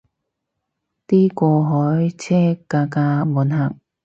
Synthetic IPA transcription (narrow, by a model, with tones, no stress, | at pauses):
t̪iː˥kɔː˧ɦɔː˨˥jt͡sʰɛː˥kaː˧kaː˧muː˨˥nɦaː˨˩k̚